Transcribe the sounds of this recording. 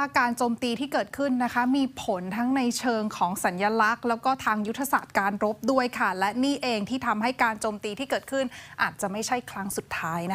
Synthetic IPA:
waː˥˩kaː˧nt͡ɕoː˧mt̪iː˧t̪ʰiː˥˩kɤː˨˩t̪̚kʰɯ˥˩nːa˦˥kʰa˦˥miː˧pʰo˩˦nt̪ʰa˦˥ŋna˧jt͡ɕʰɤː˧ŋkʰɔː˩˦ŋsa˩˦njaː˧la˦˥k̚lɛː˦˥wkɔː˥˩t̪ʰaː˧ŋju˦˥t̪ʰːa˧saː˨˩t̪̚kaː˧nɾo˦˥p̚du˥˩əjkʰa˥˩lɛ˦˥niː˥˩ʔeː˧ŋt̪ʰiː˥˩t̪ʰa˧mɦa˥˩jkaː˧nt͡ɕoː˧mt̪iː˧t̪ʰiː˥˩kɤː˨˩t̪̚kʰɯ˥˩nʔaː˨˩t̪̚t͡ɕa˨˩ma˥˩jt͡ɕʰa˥˩jkʰɾa˦˥ŋsu˨˩t̪ʰːaː˦˥jna˦

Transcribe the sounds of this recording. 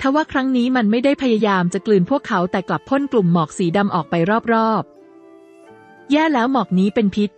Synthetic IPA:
t̪ʰaː˧˩waː˥˩kʰɾa˦˥ŋniː˦˥ma˧nma˥˩jda˥˩jpʰa˧ja˧jaː˧mt͡ɕa˨˩klɯː˨˩npʰu˥˩əkʰːa˦˥wt̪ɛː˨˩kla˨˩pʰːo˥˩nklu˨˩mːɔː˨˩k̚siː˩˦da˧mʔɔː˨˩k̚pa˧jɾɔː˥˩p̚ɾɔː˥˩p̚ | jɛː˥˩lɛː˦˥wmɔː˨˩k̚niː˦˥pe˧npʰi˦˥t̪̚

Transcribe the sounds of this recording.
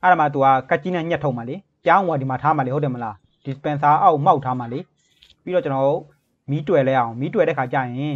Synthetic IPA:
ʔa˦ɾa˨ma˨t̪̬u˨a˦˨ka˦t͡ɕi˦nɛ̃˦˨ɲɛ˦tʰo˦ʊʔma˨leɪ˦ | pjã˦˨wa˨di˨ma˨tʰa˦ma˨le˦ɦo˦˨tʰɛ˨mə˨la˨ | d̥ɪ˨spɛ̃˨nsa˦ʔa˦ʊma˦ʊtʰːa˦ma˨le˨˦ | pi˦ɾɔ˦˨t͡ɕə˨nɔ˨o˦˨ | mi˨˦twɛ˨lɛ˦˨ʔã˨ʊ̃mi˦twɛ˨ɾɛ˦˨ʔkʰa˨t͡ɕa̰˦˨jɪ̃˨

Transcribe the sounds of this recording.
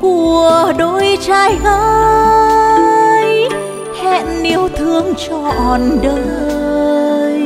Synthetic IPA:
ku˧˩əɗo˧˩jt͡ɕaː˧jɣəː˧˦ | j | hɛ˧˨nːi˧əwt̪ʰɨ˧əŋt͡ɕɔ˧ʔɔ˨˩nɗə˧ | j

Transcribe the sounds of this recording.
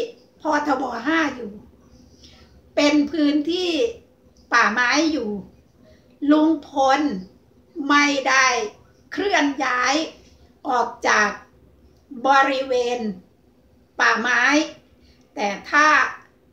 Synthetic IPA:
pʰɔː˧˩t̪ʰa˧bɔː˧ɦaː˥˩juː˨˩ | pe˧npʰɯː˦˥nt̪ʰiː˥˩ | paː˨˩maː˦˥jːuː˨˩ | lu˧ŋpʰo˧n | ma˥˩jda˥˩j | kʰɾɯ˥˩ənjaː˦˥j | ʔɔː˨˩k̚t͡ɕaː˨˩k̚ | bɔː˧ɾi˦˥weː˧n | paː˨˩maː˦˥j | t̪ɛː˨˩t̪ʰaː˥˩

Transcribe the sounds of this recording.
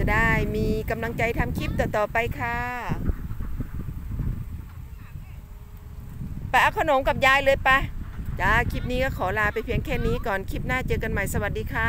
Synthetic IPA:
daː˧˩jmiː˧ka˧˨mla˧ŋt͡ɕa˧jt̪ʰa˧mkʰi˧˥˩p̚t̪ɔː˧˩t̪ɔː˨˩pa˧jkʰaː˧ | pa˧jʔaː˧kʰɔː˧no˨˦mka˧˩p̚jaː˧˨jlɤː˧jpa˧t͡ɕaː˨˧kʰi˧˩p̚niː˧˥˨kaː˧˩kʰɔː˨˦laː˧˩pa˨jpʰi˧əŋkʰɛː˧˩˨niː˧˥kɔː˨˩nkʰi˧˥˩p̚naː˧˥˨t͡ɕɤː˧ka˧˨nma˧˩jsa˧wa˨˧t̪̚diː˧kʰaː˧

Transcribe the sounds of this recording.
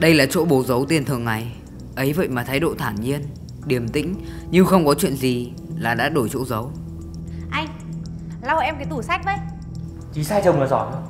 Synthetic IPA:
ɗə˧jlaː˨˩t͡ɕo̰˧˥ɓo˨˦zə˨˦wt̪i˧ənt̪ʰɨ˨˩əŋːa˨˩j | ʔə˨˦jvə̰˧˨jmaː˨˩t̪ʰaː˨˦jɗo̰˧˨t̪ʰaː˧˩nɲi˧ən | ɗi˨˩əmt̪ḭ̈˧˥ŋ̟ | ɲɨ˧xə˧wŋ͡mkɔ˨˦t͡ɕwḭ˧˨ənzi˨˩ | laː˨˩ɗa̰ː˧˥ɗo˧˩jt͡ɕo̰˧˥zə˨˦w | ʔa˧jŋ̟ | la˧wʔɛ˧mkaː˨˦jt̪u˧˩sa˦˥k̚və˧˦j | t͡ɕi˨˦saː˧jt͡ɕə˨˩wmɨ˨˩zɔ˧˩nə̰˧˨˦

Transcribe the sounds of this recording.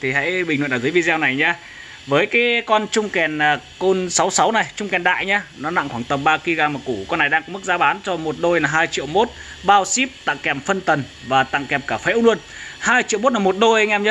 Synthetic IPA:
t̪ʰi˨˩ɦa̰˧˥jɓï˨˩ŋ̟wə̰˧˨nː˨˧˩zɨ˨˦vi˧zɛ˧wna˨˩jɲaː˧ | vəː˨˦jkaː˨˦jkɔ˧nt͡ɕʊ˧ŋ͡mkɛ˨˩nː˨˩ko˧nsa˨˦wsa˨˦wna˨˩jt͡ɕʊ˧ŋ͡mkɛ˨˩nɗa̰ː˧˨jɲaː˧nɔ˨˦na̰˧˨ŋxwaː˧˩ŋt̪ə˨˩mɓaː˧ki˧ɣaː˧˩maː˨˩ku˧˩kɔ˧nːa˨˩jɗaː˧ŋkɔ˨˦mɨ˦˥k̚zaː˨˦ɓaː˨˦nt͡ɕɔ˧mo˨˩t̚ɗo˧jnaː˨˩ɦaː˧jt͡ɕḭ˧˨əwmo˦˥t̚ɓaː˧wsi˦˥p̚t̪a̰ː˧˨ŋkɛ˨˩mfə˧nt̪ə˨˩n | vaː˨˩t̪a̰˧˨ŋkɛ˨˩m̚kaː˧˩fḛ˧˥wlu˧ən | haː˧jt͡ɕḭ˧˨wmo˦˥t̚aː˨˩mo˨˩t̚ɗo˧jŋʔɛ˧mɲə˦˥

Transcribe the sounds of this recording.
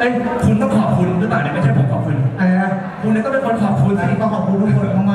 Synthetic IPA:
e˧kʰu˧nt̪ɔː˥˩ŋkʰɔː˨˩p̚kʰu˧nɾɯː˦˥paː˨˩n˧˩ma˥˩t͡ɕʰpʰnkʰɔː˨˩kʰu˧nʔaː˧˩ | kʰu˧ni˧˥˩k̪̬ɔ˥˩pe˧nkʰo˧nkʰɔː˨˩p̚kʰu˧nt̪ʰa˥˩i˨˩t̪ɔː˥˩kɔː˨˩kʰu˧nu˥˩˨t̪ʰo˧˩˨ɔː˧maː˥˩

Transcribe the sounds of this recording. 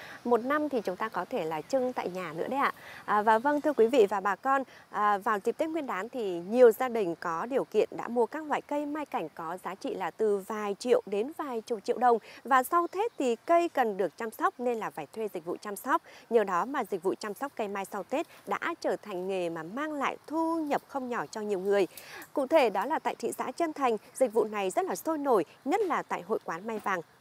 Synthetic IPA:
mo˨˩t̚na˧mt̪ʰi˨˩t͡ɕʊ˨˦ŋ͡mt̪aː˧kɔ˨˦t̪ʰe˧˩laː˨˩t͡ɕɨ˧ŋt̪a̰ː˧˨jɲaː˨˩nɨ̰˧˥əɗə˧jʔa̰ː˧˨ʔəː˨˩vaː˨˩və˧ŋt̪ʰɨ˧əkwi˨˦vḭ˧˨vaː˨˩ɓaː˨˩kɔ˧nʔəː˨˩vaː˨˩wzi˨˩p̚t̪e˦˥ŋwi˧ənɗaː˨˦nt̪ʰi˨˩ɲi˨˩əwzaː˧ɗï˨˩ŋ̟kɔ˨˦ɗi˨˩əwkḭ˧˨ənɗa̰ː˧˥mu˧əkaː˦˥k̚lwa̰ː˧˨jkə˧jmaː˧jka˧˩jŋ̟kɔ˨˦zaː˨˦t͡ɕḭ˧˨laː˨˩t̪ɨ˨˩vaː˨˩jt͡ɕḭ˧˨əwɗe˨˦nvaː˨˩jt͡ɕʊ˨˩k͡p̚t͡ɕḭ˧əwɗə˨˩wŋ͡mvaː˨˩sa˧wt̪ʰe˦˥t̚t̪ʰi˨˩kə˧jkə˨˩nɗɨ˨˩ək̚t͡ɕaː˧msɔ˦˥k͡p̚ne˧nlaː˨˩vaː˧˩jt̪ʰwe˧zï˨˩k̟̚vṵ˧˨t͡ɕa˧msɔ˦˥wk͡p̚ɲəː˨˩ɗɔ˨˦maː˨˩zï˨˩k̟̚vṵ˧˨t͡ɕa˧msa˦˥k͡p̚kə˧jmaː˧jsa˧wt̪e˦˥t̚ɗa̰ː˧˥t͡ɕəː˧˩t̪ʰa˨˩jŋ̟ŋe˨˩maː˨˩maː˧ŋla̰ː˧˨jt̪ʰu˧ɲə˨˩p̚xə˧wŋ͡mɲɔ˧˩t͡ɕɔ˧ɲi˨˩əwŋɨ˨˩əjkʊ̰˧˨t̪ʰe˧˩ɗɔ˨˦laː˨˩t̪a̰ː˧˨jt̪ʰḭ˧˨sa̰ː˧˥t͡ɕə˧nt̪ʰa˨˩jŋ̟zï˨˩k̟̚vṵ˧˨na˨˩jzə˦˥t̚laː˨˩so˧jno˧˩jɲə˦˥t̚laː˨˩t̪a̰ː˧˨jɦo̰˧˨jkwaː˨˦nma˧jvaː˧˩ŋ

